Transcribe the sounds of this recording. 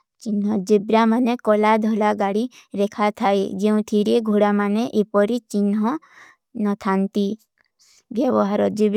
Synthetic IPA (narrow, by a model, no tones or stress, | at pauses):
t͡ʃinɦɔd͡ʒibɾamanekɔlad̪ʱɔlaɡaɽiɾekʰat̪ʰaed͡ʒeũt̪ʰiɾeɡʱoɽamaneʔepɔɾit͡ʃinɦɔ | nɔt̪ʰant̪i | ʋjɛwɔɦaɾɔd͡ʒibɾ